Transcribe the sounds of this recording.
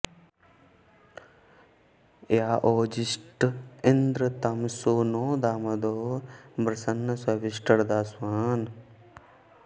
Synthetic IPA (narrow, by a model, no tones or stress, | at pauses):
jaːʔoːd͡ʒisʈind̪ɾɐt̪ɐmsoːnoːd̪aːmɐd̪oːbɾɐsɐnːɐsɐʋiʃʈɐɽd̪aːswaːn